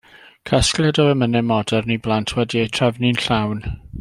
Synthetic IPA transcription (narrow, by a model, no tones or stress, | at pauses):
kʰasklˠɛdɔəmənɛmɔdɛrniblˠantʰwɛdiejtʰrɛvnɪnɬawn